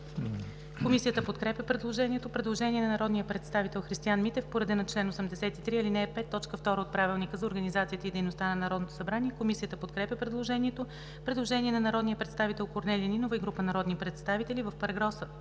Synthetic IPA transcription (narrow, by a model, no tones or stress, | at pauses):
komisijət̪əpot̪kɾɛpʲjəpɾɛd̪lˠoʒɛnʲiɛt̪opɾɛd̪lˠoʒɛnʲiɛnɐnɐɾɔd̪nijəpɾɛt̪st̪avit̪ɛlˠxɾist̪ianmit̪ɛfpoɾɛd̪ɛnɐt͡ʃlɛnosəmd̪ɛsɛt̪it̪ɾiilinɛɛpɛt̪ːɔt͡ʃkəft̪ɔɾəot̪̚pɾavilˠnikəzɐoɾɡənizat̪siət̪əid̪ɛjnost̪anɐnɐɾɔd̪not̪o̥sɐbɾaniɛkomisijət̪əpot̪kɾɛpʲjəpɾɛd̪lˠoʒɛniɛt̪o | pɾɛd̪lˠoʒɛnʲiɛnɐnɐɾɔd̪nijəpɾɛt̪st̪avit̪ɛlˠkoɾnɛlʲininovəiɡɾupənɐɾɔd̪nipɾɛt̪st̪avit̪ɛlivəfpəɾɡɾɔsə